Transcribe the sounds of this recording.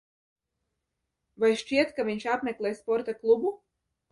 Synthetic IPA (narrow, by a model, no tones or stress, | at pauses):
vajʃt͡ʃiɛt̪kavʲiɲʲʃapmʲeklˠʲeɛːjspɔɾt̪aklˠubu